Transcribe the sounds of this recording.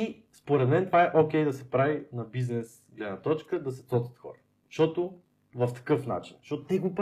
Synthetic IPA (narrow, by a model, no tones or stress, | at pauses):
i | spoɾɛd̪mɛnt̪ovaɛʔokʲɛjd̪ɐsɛpɾavinɐbiznɛs | ɡlɛd̪nɐt̪ɔt͡ʃkəd̪ɐsɛ̥t̪ɔt̪ə̥t̪xɔ̰ɾə | ʃt̪ɔt̪o | vɐft̪ɐ̥kɤfna̰t͡ʃinʃɔt̪ʊt̪ɛɡop